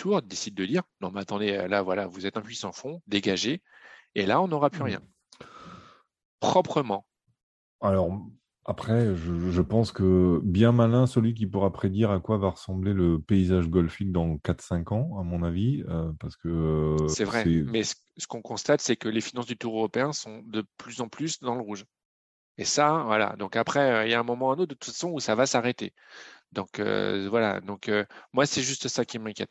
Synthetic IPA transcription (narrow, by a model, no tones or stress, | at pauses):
t̪ʰuʁd̪esid̪̚ːəd̪iʁnɔ̃mat̪ɑ̃d̪eø̰lavwala̰vuzɛt̪ɛ̃pɥisɑ̃fɔ̃d̪eɡaʒe | elaɔ̃nɔʁapyʁjɛ̰̃ | pχɔpχəmɑ̃ | alɔʁ | apχɛʒəʒəpɑ̃skəbjɛ̃malɛ̃səlɥik̬ʲipuʁapχed̪iʁakwavaʁəsɑ̃bleləpeizaʒɡɔlfik̚d̪ɑ̃kat̪sɛ̃kɑ̃amɔ̃naviøpaʁsə̥kəøsɛvʁɛmɛsə̥ | sə̥kɔ̃kɔ̃st̪at̪sɛkəlefinɑ̃sd̪yt̪uʁøʁɔpeɛ̃sɔ̃d̪əplyzɑ̃plysd̪ɑ̃ləʁuʒ | esavwala̰d̪ɔ̃kapχɛøiljaɛ̃mɔmɑ̃ɛnot̪̚d̪ət̪u̥tffasɔ̃usavasaʁet̪ḛ | d̪ɔ̃kø̰vwala̰d̪ɔ̃kømwasɛʒyst̪sakʲimɛ̃kʲjɛt̪̚